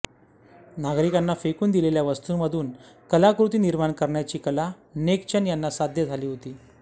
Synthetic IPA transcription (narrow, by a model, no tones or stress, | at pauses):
naɡɾikanːafekuːnd̪ileljaʋəst̪uːməd̪ʱuːnkəlakɾut̪iːniɾmaɳkəɾɳjat͡ɕiːkəla | nekt͡ɕanjanːasad̪ʱjəd͡zʱaliːɦot̪iː